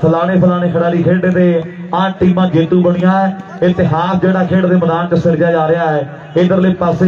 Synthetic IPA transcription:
pʰəlaːɽ̃eːpʰəlaːɽ̃eːkʰəɽaːliːkʰeːɖeːt̪eːaːʈiːmãːd͡ʒeːt̪uːbəɽ̃ijãːɛː | ɪt̪ɪɦaːsd͡ʒeːɽaːkʰeːɽd̪eːməd̪aːnt͡ʃəsɪɾd͡ʒaːd͡ʒaːɾɪjaːɛː | ɪd̪əɾliːpəs

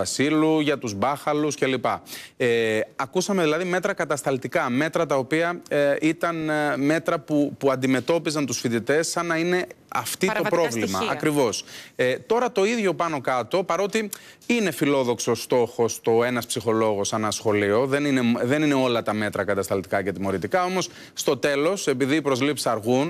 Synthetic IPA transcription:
ɐsiluʝɐt̪uzbɐxɐluscelipɐeɐkusɐme̞ðilɐðime̞t̪ɾɐkɐt̪ɐst̪ɐlt̪ikɐme̞t̪ɾɐt̪ɐopiɐit̪ɐnme̞t̪ɾɐpupuɐnd̪ime̞t̪o̞pizɐnt̪usfit̪it̪e̞sɐnɐine̞ɐft̪it̪o̞pɾo̞vlimɐɐkɾivo̞set̪o̞ɾɐt̪o̞iðʝo̞pɐno̞kɐt̪o̞pɐɾo̞t̪iine̞filo̞ðo̞ksost̪o̞xo̞st̪o̞e̞nɐspsixo̞lo̞ɣo̞sɐnɐsxo̞lio̞ðe̞nineðe̞nine̞o̞lɐt̪ɐme̞t̪ɾɐkɐt̪ɐst̪ɐlt̪i̥kɐcet̪imo̞ɾit̪ikɐo̞mo̞s | st̪o̞t̪e̞lo̞se̞piðiːpɾo̞zlipsi̥ɐɾɣun

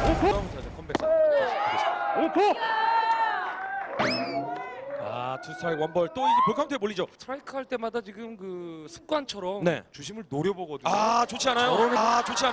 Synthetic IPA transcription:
oomtʰad͡ʑokʰʌmbeks͈ɯ | opʰo | a̰tʰusʰaiwʌnbʌɭt͈oiɡepjoɭkʰamntʰemoʎːid͡ʑotʰɯɾaikʰɯɦaɭt͈e̞madat͡ɕiɡɯmkɯsʰɯ̥p̚k͈want͡ɕʰʌɾʌmne̞̰t͡ɕuɕʰimɯɭnoɾjʌboɡʌduat͡ɕot͡ɕʰianajoɾont͡ɕot͡ɕʰian

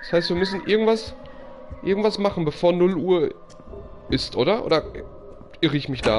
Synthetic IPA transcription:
d̥ḁshaɪstv̥iːɐmʏsn̩ʔɪɐɡŋ̩tv̥as | ʔɪ̰ɐɡŋ̩tv̥asmaχn̩bəfoːɐnʊlʔuːɐ | ʔɪstʔoːɾɐʔo̰ːdɐ | ʔɪʁəɪçmɪçd̥a̰ː

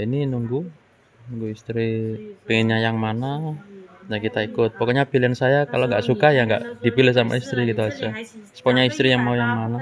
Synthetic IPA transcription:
ininuŋɡu | uŋɡuist̪ɾipiŋɪnɲajaŋmana | nakit̪aikʊt̪̚pɔkoɲapiliansajakaloŋɡaʔsukajaŋɡa̰ʔdipilɪhsama̰ist̪ɾikit̪uad͡ʒasə̥pɔʔɲaist̪ɾijaŋmaujaŋmana

